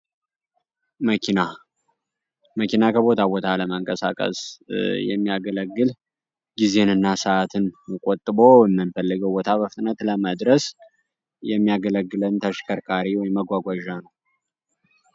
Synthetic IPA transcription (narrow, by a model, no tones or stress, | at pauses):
məkʰina | məkʰinakʰəbo̞t̪ʰabo̞t̪ʰaləməŋkʼəsa̰kʼə̰sjɛ̰mːijaɡələɡːɨl | ɡize̞nɨnːasəat̪ʰɨnkʼot̪ʼːɨbo̞jɛmːɨnfəlːɨɡəwbot̪ʰabəfɨt̪ʼnət̪ləməd̪ɾəs | jɛmːijaɡələɡːɨlənt̪ʰəʃkʰəɾkʰaɾiwɔjmːəɡʷaɡʷaʒanəw